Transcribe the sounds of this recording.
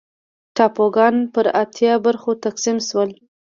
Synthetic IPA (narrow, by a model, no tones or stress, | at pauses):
ʈɑpoɡɑnpəɾat̪ʰjɑbəɾxot̪aqsimʃwəl